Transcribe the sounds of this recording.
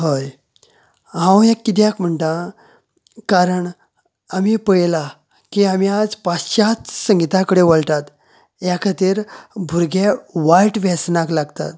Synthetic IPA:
ɦoj | ɦãwekːit̪̬jãkm̤əɳʈ̪a | kaɾəɳ | amipəɭjla | kiamiad͡zpaɕat͡ssə̃ŋɡit̪akəɽeʋəɭʈ̪at̪ | jakʰət̪iɾbʱuɾɡeʋajʈʋɛsnaklaɡt̪a̰t̪

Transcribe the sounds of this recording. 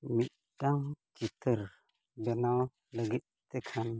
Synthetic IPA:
mit̪̚ʈaŋt͡ʃit̪ʰəɾ | bɛna | ləɡit̪̚t̪ɛkʰan

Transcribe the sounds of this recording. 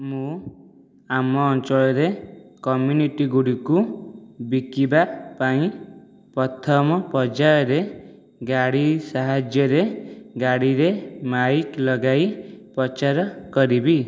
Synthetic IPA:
mũ | amɔːnt͡ʃɔɭɔɾekɔmjuniʈiɡuɽikubikibapaĩ | pɔt̪ʰɔmɔpɔd͡ʒajɔɾe | ɡaɽisaɦad͡ʒjɔɾeɡaɽiɾemaiklɔɡaipɾɔt͡ʃaɾɔkɔɾibi

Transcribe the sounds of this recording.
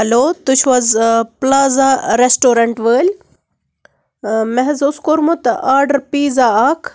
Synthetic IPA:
ɦɐloːt̪ʊt͡ʃʰʋɐzplaːzaɾesʈoːɾɐɳʈʋəːl | mɛɦɛzʊskoːɾmõt̪ɐʔaːɾɖɐɾpiːzaaːkʰ

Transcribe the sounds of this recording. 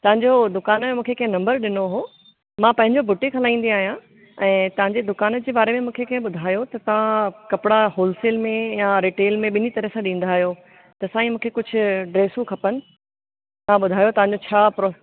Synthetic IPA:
t̪ɐɦə̃ɲd͡ʑod̪ʊkaːnmẽmũːkʰekɐ̃ɦɪ̃nɐ̃mbəɾɗɪnoɦoː | mãpɐ̃ɦɪ̃ɲd͡ʑobʱʊʈĩkʰɐlaːĩːn̆d̪iaːɦijã | ɛ̃ːt̪ɐʋɦãɲd͡ʑed̪ʊkaːnəd͡ʑeːbaːɾemẽmũːkʰekɐ̃ɦẽɓʊd̪ʱaːjot̪ɐt̪ɐʋ̤ãkɐpɪɽaɦoːlsɪlmẽjaɾiːʈeːlmẽɓɪnit̪ɐɾəɦsãɗĩːn̆d̪aːɦijo | t̪ɐsãːĩmũːkʰekʊd͡ʑʱʊ̆ɖɾeːsũkʰɐpənɪ̆ | t̪ɐʋãɓʊd̪ʱaːjot̪ɐʋãɲ̆d͡ʑot͡ɕʰaːpɾo

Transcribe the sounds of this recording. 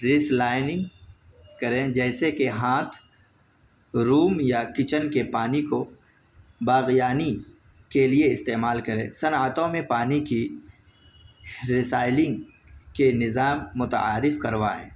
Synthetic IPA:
ɾɪslaːɪnɪ̃ŋɡ | kɐɾẽd͡ʒɛːsekeɦãːt̪ʰ | ɾuːmjakɪt͡ʃənkepaːniko | baːɣijaːni | kelieɪst̪eːmaːlkɐɾḛ̃ːsɐnːət̪õmẽpaːniki | ɾɪsaːɪlɪ̃ŋɡ | kenɪzaːmːʊt̪ə̰aːɾɪfkɐɾʋaːḛ̃ː

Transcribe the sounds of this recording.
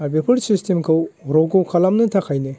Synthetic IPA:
abepʰɐɾsistʰemkʰɯwɾɔɡowkʰalamnɐtʰakʰajnɯ

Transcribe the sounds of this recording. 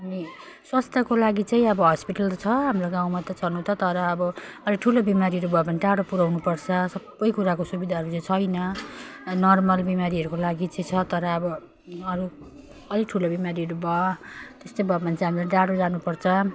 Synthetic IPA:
ɦami | swast̪ʰakolaɡit͡saĩʌbʌɦʌspiʈʌlt͡sʰʌɦamroɡãw̃mat̪ʌt͡sʰʌnũt̪ʰʌt̪ʌɾʌːbʌʌliʈʰulobimaɾiʌɾubʌpʌniʈaɽopuɾawnupʌrt͡sʰʌsʌbːʌjkuɾakosubid̪ʱaɦʌɾut͡saĩt͡sʰʌjnʌ | nʌrmʌlbimaɾiʌɾukolaɡit͡saj̃t͡sʰʌt̪ʌɾʌːbʌ | ʌɾu | ʌliʈʰulobimaɾiɦʌɾubʌt̪est̪ojbʌpʌnt͡sãɦamilaɖaɽod͡zanupʌrt͡sʰʌ

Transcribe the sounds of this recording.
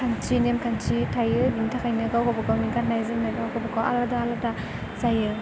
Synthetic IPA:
kʰant͡ʃinemkʰant͡ʃitʰajɯbintʰakʰajnɯɡawkʰɔbakawminkannajzɯmajɡawkʰɔbakawʔa̰ladaːlata | zajɯ

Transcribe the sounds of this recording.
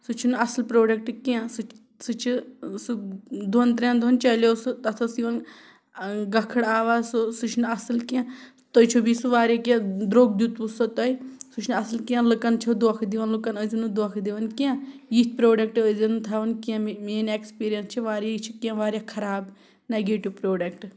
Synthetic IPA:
sɨt͡ʃʰinɐslpɾoːɖɐk̚ʈɨkiãsɨ | sɨt͡ʃʰisɨd̪ʱont̪ɾẽnd̪ʱont͡ʃɐlosut̪ɐt̪ʰɐsiʋɐn | ɡɐkʰɨɽaːʋaːsosut͡ʃʰnɐsɨlkã | t̪ot͡ʃʰubisuʋaːɾjakʲãd̪ɾoːɡ̚d̪ut̪usot̪ɐisut͡ʃʰnɐsɨlkiãlɨkɐnt͡ʃʰɐd̪okʰd̪iʋɐnlɨkɐnəzinud̪okʰd̪iʋɐnkiãjit̪̚ʲʰpɾoːɖɐk̚ʈəzɐnut̪ʰaʋɐnkiãmeːnekspiːɾijɐnst͡ʃʰiʋaːɾjait͡ʃʰikʲãʋaːɾʲjakʰɐɾaːb | neɡeːʈiʋpɾoːɖɐk̚ʈ

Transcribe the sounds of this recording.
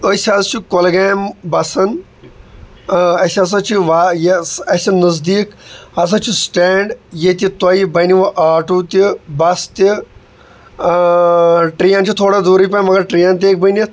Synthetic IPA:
əsʲaːzt͡ʃʰikolɡaːmbɐsɐn | ɐsɐs̬ãt͡ʃʰiʋaːjeɐsɐnːɐzd̪iːkɐs̬ãt͡ʃʰisʈeːɳɖjet̪̬it̪ɐibɐniʋɐʔaːʈuːt̪ibɐst̪i | ʈɾiːaːnt͡ʃʰit̪ʰoːɽad̪uːɾipãːmɐɡɐɾʈɾiːjãːnt̪̬eːk̚bɐni

